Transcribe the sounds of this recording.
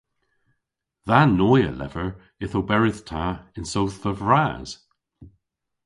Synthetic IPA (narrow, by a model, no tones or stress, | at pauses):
ðanɔjə̰lɛ̰vəɹ | ɪθobɛɹɪðtʰaɪnsowθvəvɹaz̥